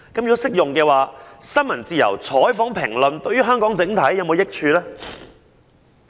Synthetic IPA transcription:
kɐ˨˥mjy˧˥sɪ˥k̚jʊ˨ŋkɛː˧waː˨sɐ˥nmɐ˨˩nt͡siː˨jɐ̰˨˩wt͡sʰɔː˨˥jfɔː˨˥ŋpʰɪ˨˩ŋlɵ˨nt̪ɵ˧ɥyː˥ɦœː˥ŋkɔː˨˥ŋt͡sɪ˨˥ŋt̪ʰɐ˨˥jːɐ˨˧wmo˨˧wjɪ˥k̚t͡ʃʰyː˧lɛː˥

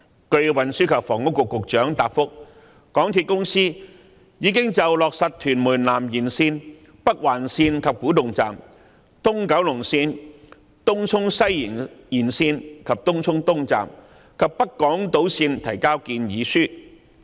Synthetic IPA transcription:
kɵ˧ɥwɐ˨nsyː˥kʰɐ˨p̚fɔː˨˩ŋʊ˥kːʊ˨kːʊ˨k̚t͡ʃœː˨˥ŋt̪aː˨p̚fʊ˥k̚ | kɔː˨˥ŋt̪ʰiː˧t̚kʊ˥ŋsiː˥ | jiː˨˧kɪ˥ŋt͡sɐ˨wlɔː˨k̚sɐ˨t̚t̪ʰyː˨˩nmuː˨˩nlaː˨˩mjiː˨˩nsiː˧n | pɐ˥k̚waː˨˩nsiː˧nkʰɐ˨p̚kuː˨˥t̪ʊ˨ŋt͡saː˨˩m | t̪ʊ˥ŋkɐ˨˥wlʊ˨˩ŋsiː˧n | t̪ʊ˥ŋt͡sʰʊ˥ŋsɐ˥ji˨˩njiː˨˩nsiː˧nkʰɐ˨p̚t̪ʊ˥ŋt͡sʰʊ˥ŋt̪ʊ˥ŋt͡sa̰ː˨m | kʰɐ˨p̚pɐ˥t̚kɔː˨˥ŋt̪o˨˥wsiː˧nt̪ʰɐ˨˩jkaː˥wkiː˧njiː˨˧syː˥

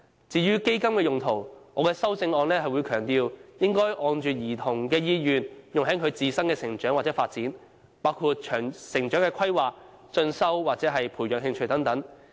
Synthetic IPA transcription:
t͡siː˨˧jyː˥ke˥jkɐ˥mkɛː˧jʊ˨ŋt̪ʰo˨˩wŋɔː˨˧kɛː˧sɐ˥wt͡sɪ˧ŋɔː˧nlɛː˥ɦɐ˨jwuː˨˧jkʰœː˨˩ŋt̪iː˧wjɪ˥ŋkɔː˥jʔɔː˨˧nt͡ʃyː˨t̚jiː˨˩t̪ʰʊ˨˩ŋkɛː˧jiː˧jyː˨njʊ˨ŋɦɐ˨˥ŋkʰɵ˨˧ɥt͡siː˨sɐ˥ŋkɛː˧sɪ˨˩ŋt͡ʃœː˨˥ŋwaː˨tt͡sɛː˨˧˥faː˧t̚t͡siː˨˥n | paː˥wkʰuː˧t̚t͡ʃʰœː˨˩ŋsɪ˨˩ŋt͡ʃœː˨˥ŋkɛː˧kʰɐ˥jwaː˨˩k̚ | t͡ʃɵ˧nsɐ˥wwaː˨t̚t͡sɛː˨˥ɦɐ˨jpʰuː˨˩jœː˨k̚hɪ˧ŋt͡ʃʰɵ˧jt̪ɐ˨˥ŋt̪ɐ˨˥ŋ

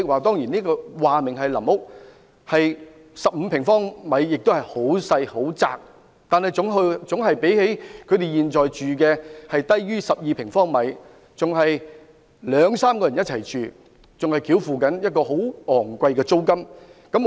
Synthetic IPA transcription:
ɪ˨k̚waː˨˩t̪̬ɔː˥ŋjiː˨˩niː˥kɔː˧waː˨mɪ˨˩ŋɦɐ˨jlɐ˨˩mhʊ˥k̚ | hɐ˨j | sɐ˨p̚m̩˨˧pʰɪ˨˩ŋfɔː˥ŋmɐ˨˧jːɪ˨k̚t̪o˥whɐ˨˩jho˨˥wsɐ˧jho˨˥wt͡sa̰ː˨k̚ | t̪aː˨nhɐ˨jʊ˨˥ŋɦt͡sʊ˨˥ŋɦɐ˨jpe˨˥jhe˨˥jkʰɵ˨˧ɥt̪e˨jiː˨nt͡sɔː˨jt͡ʃyː˨kɛː˧hɐ˨jt̪ɐ˥jːyː˥sɐ˨p̚jiː˨˧pʰɪ˨˩ŋfɔː˥ŋmɐ˨˧˥j | t͡sʊ˨ŋɦɐ˨j | lœː˨˧ŋsaː˥mkɔː˧jɐ˨˩jɐ˥t̚t͡sʰɐ˨˩jt͡ʃyː˨˩ | t͡sʊ˨ŋhɐ˨jkʰiː˨˥wfuː˨kɐ˨˥njɐ˥t̚kɔː˧ɦo˨˥wɔː˨˩ŋkʷɐ˧jkɛː˧t͡so˥wkɐ˥mkɐ˨˥m

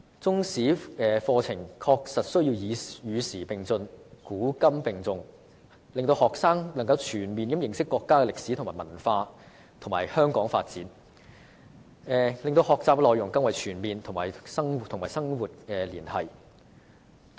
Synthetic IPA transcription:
t͡sʊ˥ŋsiː˨˥ɛː˨˧fɔː˧t͡sʰɪ˨˩ŋkʰɔː˧k̚sɐ˨t̚sɵ˥ɥjiː˧wjiː˨jyː˨˧siː˨˩pɪ˨ŋt͡sɵ˧nkuː˨˥kɐ˥mpɪ˨ŋt͡sʊ˨ŋ | lɪ˨ŋt̪o˧whɔː˨k̚saː˥ŋlɐ˨˩ŋkɐ˧wt͡ʃʰyː˨˩nmiː˨nkɐ˨˥mjɪ˨ŋsɪ˥kːɔː˧kːaː˥kɛ˧lɪ˨k̚siː˨˥t̪ʰʊ˨ŋmaː˨˩jmɐ˨˩nfaː˧ | t̪ʰʊ˨˩ŋmaː˨˩jhœː˥ŋkɔː˨˥ŋfa̰ː˧t̚t͡siː˨˥n | ɛː˨˧lɪ˨ŋt̪o˧whɔː˨˧k̚t͡saː˨p̚lɔː˨jʊ˨˩ŋkɐ˥ŋwɐ˨jt͡ʃʰyː˨˩nmiː˨nt̪ʰʊ˨˩ŋmaː˨˩jsɐ˥ŋwt̪ʰʊ˨˩ŋmaː˨jsɐ˥ŋwuː˨t̚kɛː˧liː˨˩nhɐ̰˨j

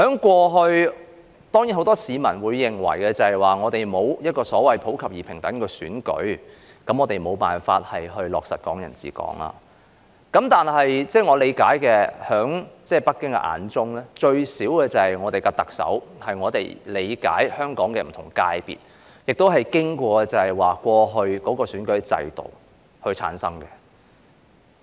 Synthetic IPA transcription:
hœː˨˥ŋkʷɔː˧ɦɵ˧ɥ | t̪ɔː˥ŋjiː˨˥nho˨˥wt̪ɔː˥siː˨˧mɐ˨˩nwuː˨˧jːɪ˨˩ŋwɐ̰˨˩jkɛ˧t͡sɐ˨hɐ˨˩jwaː˨ŋɔː˨˧t̪e˨jmo˨˧wjɐ˥t̚kɔː˧sɔː˨˥wɐ˨jpʰo˨˥wkʰɐ˨p̚jiː˨˩pʰɪ˨˩ŋt̪ɐ˨˥ŋkɛː˧syː˨˥nkɵ̰˨˥ɥ | kɐ˨˥mŋɔː˨˧t̪e˨jmo˨˧wpaː˨nfa̰ː˧t̚hɐ˨jhɵ˧ɥlɔː˨k̚sɐ˨t̚kɔː˨˥ŋjɐ˨˩nt͡sḭː˨˥kɔ̰ː˨˥ŋɐ̰ː˧ | kɐ˨˥mt̪aː˨nɦɐ˨jt͡sɛː˥˩ŋɔː˨˧le˨˧jkaː˨˥jkɛː˧hœː˨˥ŋt͡sɛː˥˩pɐ˥k̚kːɪ˥ŋkɛ̰˧ʔa̰ː˨˥nt͡sʊ˥ŋlɛː˥t͡ʃɵ˧ɥsiː˨˥wkɛː˧t͡sɐ˨hɐ˨jŋɔː˨˧t̪e˨jkɛ˧t̪ɐ˨k̚sɐ̰˨˥whɐ˨jŋɔː˨˧t̪e˨jle˨˧jka̰ː˨˥jhœː˥ŋkɔː˨˥ŋkɛː˧m̩˨˩t̪ʰʊ˨˩ŋkaː˧jpḭː˨t̚ | jɪ˨k̚t̪o˥wɦɐ˨jkɪ˥ŋkʷɔː˧kɛ˧t͡sɐ˨˩hɐ˨˩jwaː˨˩kʷɔː˧ɦɵ˧ɥkɔː˨˥kɔː˧syː˨˥nkɵ˨˥ɥt͡sɐ̰˧jt̪o̰˨˩w | hɵ˧ɥt͡sʰa̰ː˨˥nsɐ˥ŋkɛ˧

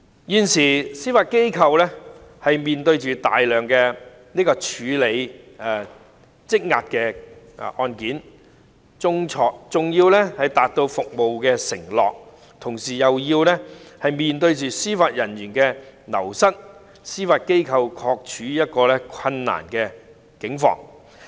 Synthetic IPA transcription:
jiː˨nsiː˨˩siː˥faː˧t̚ke˥jkʰɐ˧wlɛ˥hɐ˨jmiː˨nt̪ɵ˧ɥt͡ʃyː˨t̪a̰ː˨jlœː˨ŋkɛː˧ | niː˥kɔː˧t͡ʃʰyː˨˧˥le˨˧j | ɛ˨ | t͡sɪ˥k̚ŋa̰ː˧t̚kɛ˧˨ | ʔɔː˧nkiː˨˥n | t͡sʊ˥ŋt͡ʃʰɔː˧k̚t͡sʊ˨ŋjiː˧wlɛ˥hɐ˨jt̪aː˨t̚t̪o˧wfʊ˨k̚mo˨wkɛː˧sɪ˨˩ŋlɔ̰ː˨k̚ | t̪ʰʊ˨˩ŋsiː˨˩jɐ˨wjiː˧wlɛ˥hɐ˨jmiː˨nt̪ɵ˧ɥt͡ʃyː˨siː˥faː˧t̚jɐ˨˩njyː˨˩nkɛː˧nɐ̰˨˩wsɐ˥t̚ | siː˥faː˧t̚ke˥jkʰɐ˧wkʰɔː˧k̚t͡ʃʰyː˨˥jɐ˥t̚kɔː˧lɛ˥kʷʰɐ˧nːa̰ː˨˩nkɛː˧ | kɪ˨˥ŋfɔ̰ː˧ŋ

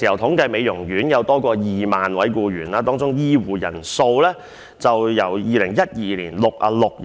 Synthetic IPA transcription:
i˨˩hɐ˨˩wt̪ʰʊ˨˥ŋkɐ˧jme˨˧jʊ˨˩ŋjyː˨˥njɐ˨˧wt̪ɔː˥kɔː˧jiː˨maː˨nwɐ˨˥jkuː˧ɥyː˨˩nlaː˧t̪ɔː˥ŋt͡sʊ˥ŋjiː˥wuː˨jɐ̰˨˩nso˧wlɛː˥ | t͡sɐ˨wjɐ˨˩wjiː˨lɪ˨˩ŋjɐ˥t̚jiː˨liː˨˩nlʊ˨k̚ʔa̰ː˧lʊ˨k̚

